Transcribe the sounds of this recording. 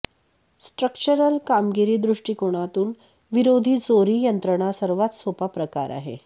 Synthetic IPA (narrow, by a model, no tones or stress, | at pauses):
sʈɾəkt͡ɕəɾəlkamɡiɾiːd̪ɾuʂʈiːkoɽ̃at̪uːn | ʋiɾod̪ʱiːd͡zoɾiːjənt̪ɾəɳ̃asəɾʋat̪sopapɾəka̰ɾʔa̰ɦḛ